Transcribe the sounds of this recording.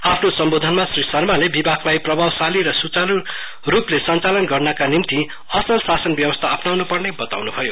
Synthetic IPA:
apʰnosʌmbod̪ʱʌnmasrisʌrmalebibʱakʰlajprʌbʱawsaliɾʌsut͡salu | ruplesʌnt͡salʌnɡʌrnʌkanimt̪i | ʌsʌlsasʌnbjʌbʌst̪ʰaːpnawnupʌrnebʌt̪a̰wnubʱʌjo

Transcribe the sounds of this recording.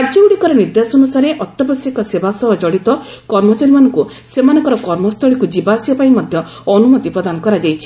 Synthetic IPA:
ad͡ʒɔuɽikɔɾɔniɾd̪asɔnusaɾeʔɔt̪jɔbɔsikɔsebasɔɦɔd͡ʒɔɽit̪ɔ | kɔɾmɔt͡ʃaɾimanɔŋku | semanɔŋkɔɾɔkɔɾmɔst̪ɔɭikud͡ʒibasiapaimɔd̪ʱjɔ | ɔnumɔt̪ipɾɔd̪anɔkɔɾad͡ʒajt͡ʃʰi̥

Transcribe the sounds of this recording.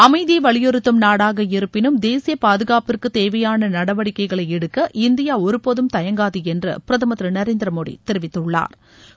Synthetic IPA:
ɐmɐɪðiʋɐɭɪjɔɾɯt̪ːɯmnaːɽaːɣɐɪɾɯpːɪnɯmd̪eːsɪjɐpaːðɯɣaːpɪrkɯt̪eːʋɐjaːnɐnɐɽɐʋɐɽɪkːɐɪɣɐɭɐɪɛɽɯkːɐʔɪnd̪ɪjaːɔɾɯpoðɯmt̪ɐjɐŋɡaːðiɛndrɐ̰pɪɾɐðɐmɐt̪ɾɯnɐɾeːnd̪ɾɐmoːɽḭt̪ɛɾɪʋɪt̪ːɯɭːa̰ːɾ

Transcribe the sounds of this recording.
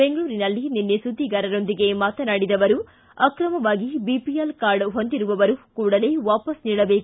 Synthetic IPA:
be̞ŋɡɐɭuːɾinɐlːininːesud̪ʱːiɡaːɾɐɾo̞nd̪iɡe̞maːt̪ɐnaːɽid̪ɐʋɐɾu | ɐkɾɐmɐʋaːɡibipijɐlkaːɾɖɦo̞nd̪iɾuʋɐʋɐɾukuːɽɐleːʋaːpɐsniːɽɐbe̞ːku

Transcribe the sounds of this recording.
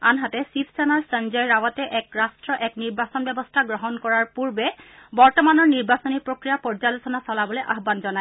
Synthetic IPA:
anɦatɛsipʰsɛnaɹsənzɔjɹawatɛʔɛkɹastɹɔʔɛkniɹbasɔnbɛbɔstʰaɡɹɔɦɔnkɔɹaɹpuɹbɛbɔɹtɔmanɔɹniɹbasɔnipɹokɹijapɔɹd͡ʒalosɔnasɔlabɔlojʔa̰ɦbanzɔnaj

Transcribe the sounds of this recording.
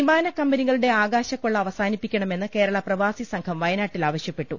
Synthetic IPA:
imaːnɐkːɐmbɐniɣɐɭuɽe̞aːɡaːɕɐkːuɭːɐːʋɐsaːnipːikʲːɐɳɐme̞nːɨke̞ːɾɐɭɐprɐʋaːsisɐŋkʰɐmʋɐjɐnaːʈːilaːʋɐɕjɐpːe̞ʈːu

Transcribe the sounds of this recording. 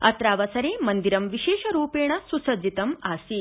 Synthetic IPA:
ɐ̰t̪ɾaːʋɐsɐɾeːmɐnd̪iɾɐmʋiʃeːʃɐɾuːpeːɳɐsusɐd͡ʒit̪ɐmaːsi

